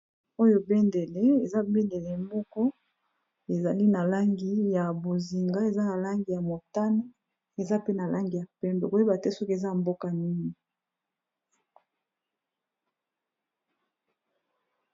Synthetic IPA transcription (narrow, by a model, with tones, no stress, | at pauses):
o˦jo˦be˦nde˨le˦e˨za˦be˦nde˨le˨mbɔ˦kɔ˦ | e˨za˨li˦na˨la˦ŋɡi˦ja˨bo˨zi˨ŋɡa˦e˨za˦na˨la˦ŋɡi˨ja˨mo˨ta˦no˦ | e˨za˦pe˦na˨la˦ŋɡi˨ja˨pɛ˦mbe˨ko˦e˦ba˨te˦sɔ˦ki˦e˨za˦a˨mbo˦ka˨ni˦ŋi˨